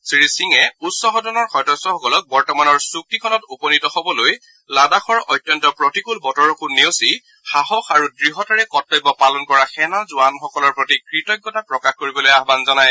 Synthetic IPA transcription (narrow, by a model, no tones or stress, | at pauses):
sɹisiŋɛutsɔɦɔdɔnɔɹxɔjdɔsɔxɔkɔlɔk̚bɔɹtɔmanɔɹsuk̚tikʰɔnɔtupɔnitɔxɔbɔloj | ladaxɔɹɔjtːjɔntɔpɹɔtikulbɔtɔɹɔkunːewsi | xaɦɔxaɹudɹiɦɔtaɹɛkɔtːɔjbɔpalɔnkɔɹaxɛnazʊanxɔkɔlɔɹpɹotikɹitɔjɡːɔtapɹɔkaxkoɹibɔlojaɦbanzɔnaj